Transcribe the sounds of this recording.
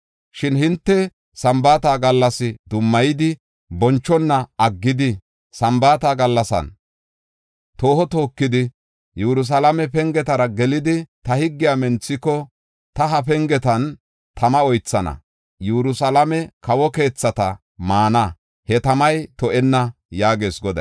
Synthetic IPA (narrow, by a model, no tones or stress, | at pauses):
ʃɪnhɪnt̪ːɛ | sɐmbaːt̪aːɡɐlːɐsɪd̪ʊmːɐjɪd̪ɪ | bɔnt͡ʃːɔnːɐɐɡːɪd̪ɪ | sɐmbaːt̪aːɡɐlːɐsɐ̰n | t̪o̞ːhɔt̪o̞ːkːɪd̪ɪ | juɾʊs̬ɐlamɛpɛŋɡɛt̪ɐɾɐɡɛlɪd̪ɪt̪ɐhɪɡːɪjamɛnt͡sːɪkːɔ | t̪ɐɦɐpɛŋɡɛt̪ɐn | t̪ʰɐmɐɔjt͡sːɐnɐ̰ | juɾʊsɐlɐmɛkɐwɔke̞ːt͡sːɐt̪ɐ̰ | maːnɐ | hɛt̪ɐmɐjt̪ɔʔɛnːɐjaːɡe̞ːsɡɔd̪ɐ̰